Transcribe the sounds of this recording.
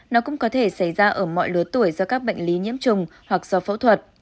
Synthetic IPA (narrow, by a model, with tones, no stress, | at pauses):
nɔ˨˦kʊ̰˧˥ŋ͡mkɔ˨˦t̪ʰe˧˩sa˧˩jzaː˧ʔəː˧˩mɔ̰˧˨jlɨ˨˩ət̪u˧˩əjzɔ˧kaː˦˥k̚ɓə̰˧˨ŋ̟li˨˦ɲḭ˧˥əmt͡ɕʊ˨˩ŋ͡mhwa˨˩k̚z̥ɔ˧fa˨˧˦wt̪ʰwə˨˩t̚